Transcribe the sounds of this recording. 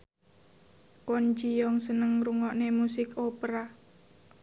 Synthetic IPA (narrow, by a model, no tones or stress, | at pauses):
kond͡ʒijɔŋsənəŋruŋɔʔnemusɪkʰopɾa